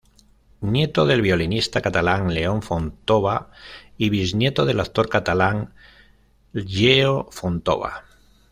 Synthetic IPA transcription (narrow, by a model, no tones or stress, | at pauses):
nje̞t̪o̞ð̞e̞lβjo̞linist̪akat̪alaŋle̞o̞ɱfont̪o̞βaiβiznje̞t̪o̞ð̞e̞latt̪o̞ɾkat̪alaŋ | ʎeofont̪o̞̰βa̰